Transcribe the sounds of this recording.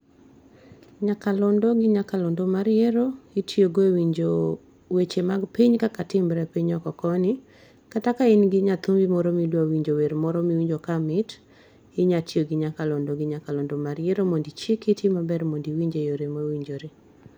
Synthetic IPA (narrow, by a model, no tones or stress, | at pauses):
ɲakalɔndɔɡɪɲakalɔndɔmaɾjeɾoɪtʰijoɡowiɲd͡ʒo | wet͡ʃemaɡpiɲkakatɪmbɾɛpiɲɔkɔkɔnɪ | katakainɡɪɲat̪umbimɔɾɔmidwawiɲd͡ʒoweɾmɔɾɔmiwiɲd͡ʒokamɪt | ɪɲatjoɡɪɲakalɔndoɡɪɲakalɔndɔmaɾjeɾomondit͡ʃɪkitʰɪmabɛɾmondiwiɲd͡ʒejoɾemowiɲd͡ʒoɾe